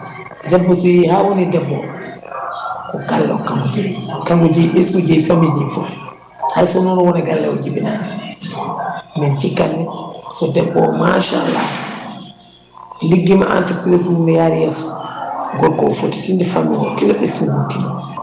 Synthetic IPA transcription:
dɛbːɔsɔjihaːwonidɛbːɔ | kɔɡalːɛ̰ɔkaŋɡɔd͡ʒejkaŋɡɔd͡ʒeɓismud͡ʒefamid͡ʒefɔ | hajsɔnɔnɔwɔnɛɡalːɛ̰ɔd͡ʒibinaːnɛ | mɛnt͡ʃikːalːɛsɔdɛbːɔ̰maʃa̰a̰lːa̰h | liɡːima̰ʔa̰ntiplis̬mumɛjaɾijɛsɔ̥ɡɔɾkɔ̰ɔfotːi̥tindɛfambɛnɔ̰tilɛɓismuhutːina

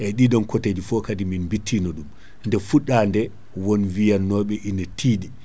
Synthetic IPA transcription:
ʔɛɗiɗɔnkɔted͡ʒifɔkadiminbitʰːinɔɗum | ndɛfuɗːandɛ | wɔnvijanːɔɓɛʔinɛtʰiːɗi

